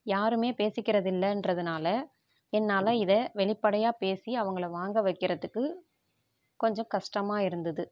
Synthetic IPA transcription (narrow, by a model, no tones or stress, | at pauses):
jaːɾɯmeːpeːsɪkːɪɾɐðɪlːɐɛndrɐðɯnaːlɐ | ɛnːaːlɐɪðɐʋɛɭɪpːɐɽɐjaːpeːsiɐʋɐŋɡɐɭɐʋaːŋɡɐʋɐɪkːɪɾɐðɯkːɯ | kɔɲd͡ʒɔ̃kɐʂʈɐmaːɪɾɯnd̪ɐðɯ